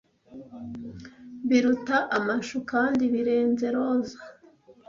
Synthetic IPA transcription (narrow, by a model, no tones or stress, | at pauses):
βiɾutaʔamaʃukaːndiβiɾe̞ːnze̞ɾo̞ːzḁ